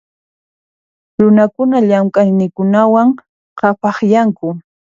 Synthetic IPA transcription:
ɾʊnakʊnaʎamkʼajnɪkʊnawaŋ | qɑpɑχjaŋkʊ

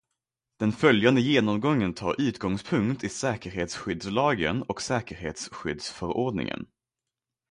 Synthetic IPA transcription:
d̪̥ɛnfœljand̪əjeːnɔmɡɔŋːənt̪ʰɑ̰ːɾʉ̟ːt̪ɡɔŋspʰɵŋkt̪ʰɪsɛːkəɾɦeːt̪sɧʏd̪slɑːɡə̰nɔksɛːkəɾhḛːt̪sɧʏd̪sfœɾoːɖnɪ̰ŋə̰n

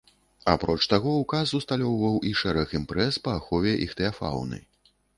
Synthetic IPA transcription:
apɾɔt͡ʂt̪aɣɔwkasust̪alʲɔwvɐwʔiʂɛɾɐximpɾɛspɐːxɔvʲɛʔixt̪ɛafa̰wnɨ̰

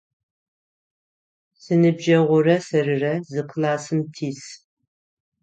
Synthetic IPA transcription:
sɨnɨbʒɐʁʷʊrɐsɐrɨrɐzɨqʰlaːsɨmtʰiːs

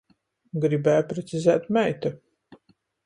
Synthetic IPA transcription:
ɡɾibæːjpɾɛt̪sʲizæːt̪mɛjt̪u

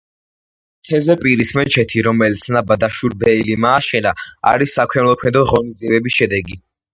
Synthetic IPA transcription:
t̪ʰɛvzɛpʼiɾismɛnt͡ʃʰɛt̪ʰiɾɔmɛlit̪sʰnabad̪aʃuɾbɛilimaːʃɛnaa̰ɾisːakʰwɛnlˠɔkʰwɛd̪ɔʁɔnizd̪ziɛbɛbisʃɛd̪ɛɡi

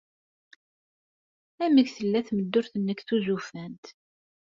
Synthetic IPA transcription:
æməɡθəlːæθməd̪ːʊɾθənːəkθuzufænt̪

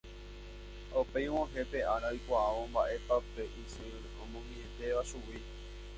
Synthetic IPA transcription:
opejwõɦe̞pe̞ʔaɾaojkʷaaʋõmbaʔe̞papeʔisɨ | õmõŋiẽt̪e̞ʋaʃuwi

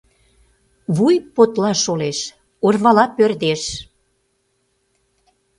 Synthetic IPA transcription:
βujpot̪lɑʃoleʃ | orβɑlɑpørd̪eʃ

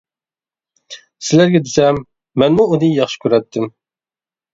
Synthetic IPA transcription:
sɪlæɾɡʲɛd̪ɪsɛmː | ɛnmuunɨjɑχʃi̥kʲyɾɛt̪ʰːɪm

